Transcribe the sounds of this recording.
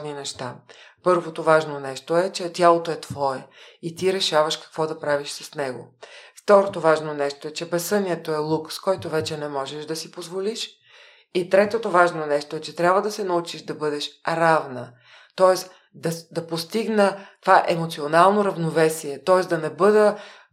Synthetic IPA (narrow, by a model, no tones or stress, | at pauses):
ninɛʃt̪apɤɾvot̪ovaʒnonɛʃt̪oɛt͡ʃɛt̪ʲjalˠot̪oɛt̪v̥ɔɛit̪iɾɛʃavəʃkɐ̥kvɔd̪ɐpɾaviʃsɐsnɛɡo̰ft̪ɔɾot̪ovaʒnonɛʃt̪oɛt͡ʃɛbɛsɤniət̪oɛlˠukskɔjt̪ovɛt͡ʃɛnɛmɔʒɛʃd̪ɐsipozvoliʃ | it̪ɾɛt̪ot̪ovaʒnonɛʃt̪oɛt͡ʃɛt̪ɾʲabvəd̪ɐsɛnɐut͡ʃiʒd̪ɐbɤd̪ɛʃɾavnə | t̪ɔɛs | d̪ɐd̪ɐpost̪iɡnət̪ovaʔɛmot̪sionalˠnoɾɐvnovɛsiɛt̪ɔɛsd̪ɐnɛbɤd̪ə